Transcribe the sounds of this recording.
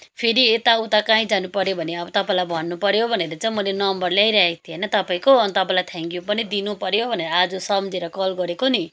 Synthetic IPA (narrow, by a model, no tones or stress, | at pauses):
pʰeɾiet̪aut̪akãĩd͡zanupʌɾjobʱʌneʌbʌt̪ʌpãĩlajbʱʌnːupʌɾjobʱʌneɾʌt͡saĩmʌlenʌmbʌrljajɾʌaekt̪ʰienʌt̪ʌpaĩkoʌnt̪ʌpãĩlajt̪ʰãŋkjupʌnid̪inupʌɾjobʱʌneɾʌːd͡zusʌmd͡zeɾʌkʌlɡʌɾekoni